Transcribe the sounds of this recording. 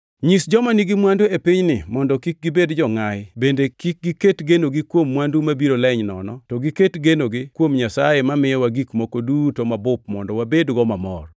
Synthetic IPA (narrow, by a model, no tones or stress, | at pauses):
ɲisd͡ʒɔmaniɡimwanduepiɲnɪmɔndɔkik̚ɡibedd͡ʒɔŋajbendekik̚ɡiketɡenoɡikwomːwandumabiɾolɛɲnɔ̰nɔtɔɡiketɡenoɡɪkwomɲasajemamɪjɔwaɡikmɔkodutomabʊp̚mɔndɔwabedɡɔmamɔ̰r